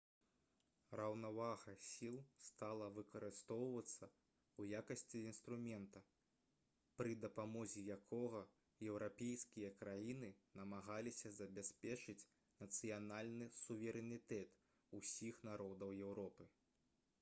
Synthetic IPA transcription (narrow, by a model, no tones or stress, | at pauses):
rɐwnavaɣɐsʲilˠst̪alˠɐvɨkɐɾɨst̪ɔwvɐt̪sːɐ | ujakɐsʲt͡sʲiːnst̪ɾumʲɛnt̪ɐ | pɾɨd̪ɐpamɔzʲijakʰɔɣɐ | jɛwɾapʲejskʲijɐkɾajinɨnɐmaɣalʲisʲɐzɐbʲasʲpʲɛt͡ʂɨt͡sʲ | nɐt̪sɨjanalʲnɨsuvʲɛɾɛnʲit̪ɛt̪ | usʲixnaɾɔd̪ɐwjɛwɾɔpɨ